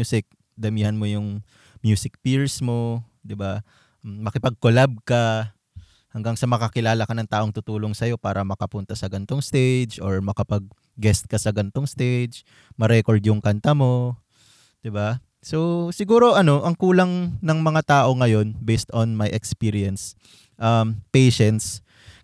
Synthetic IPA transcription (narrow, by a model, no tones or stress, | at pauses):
usɪk̚ | d̪ɐmiːhɐnmo̞jʊŋ | mjuːsɪk̚piɹsmo̞ | d̪ɪba | mɐkɪpɐɡ̚kolab̚kɐ | hɐŋɡaŋsɐmɐkɐkɪlaːlɐkɐnɐŋt̪aːʔo̞ŋt̪ʊt̪uːlo̞ŋsɐjo̞paːɾɐmɐkɐpʊnt̪ɐsɐɡɐnt̪oŋst̪ejd͡ʒo̞ɹmɐkɐpɐɡ̚ː | ɛst̪̚kɐsɐɡɐnt̪oŋst̪ejd͡ʒ | mɐɾɛkoɹd̪jʊŋkɐnt̪ɐmo̞ | d̪̥ɪba | so̞sɪɡuːɾo̞ʔɐno̞ʔɐŋkuːlɐŋnɐŋmɐŋat̪aːʔo̞ŋɐjo̞nbejst̪onmajʔɛkspiːɾiɐns | ʔɐmpejʃɛnt̪s